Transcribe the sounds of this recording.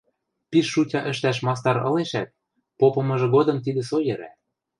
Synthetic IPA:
piʃːutʲɑʔə̆ʃt̪æʃ̬mɑs̬t̪ɑɾɤ̰̆leʃæt̪̚ | popɤ̆mɤ̆ʒɤ̆ɡod̪ɤ̆mt̪̬id̪ə̆sojɤ̆ɾæ̰

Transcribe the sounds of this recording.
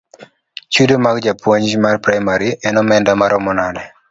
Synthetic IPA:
t͡ʃudomaɡd͡ʒapwoɲd͡ʒmarpɾajmaɾiʔɛnɔmɛndamaɾɔmɔnanɛ

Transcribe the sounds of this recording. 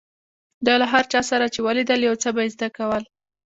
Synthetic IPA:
d̪ɑlaɦaɾt͡ʃɑsaɾat͡ʃewəlid̪əljawt͡səbajezd̪akawəl

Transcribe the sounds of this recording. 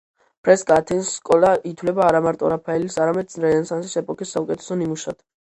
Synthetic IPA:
pʰɾɛsɡat̪ʰɛnsːkʼɔlaʔit̪ʰwlɛbaːɾamaɾt̪ʼɔ̰ɾapʰaɛlisaɾamɛd̪̚sɾɛansansi̥sɛpʼɔkisːaukʼɛt̪ʰɛ̥sɔnimuʃad̪̥

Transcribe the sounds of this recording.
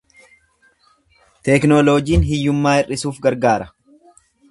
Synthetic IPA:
t̪ɛknoloːd͡ʒiːnɦɪjːʊmːaːɪrːɪsuːfɡɐɾɡaːɾɐ

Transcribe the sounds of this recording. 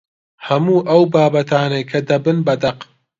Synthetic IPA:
hɐmuːʔɐwbaːbɐt̪aːnɐjkʰɐd̪ɐbɨnbɐd̪ɐq

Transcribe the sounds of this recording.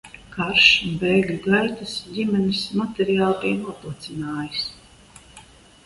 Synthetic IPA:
kʰaɾʃunbɛjɡlʲiɡajt̪asɟimɛnismat̪ɛɾijaːlˠpiɛnuɔt̪uɔt̪sinaːjis

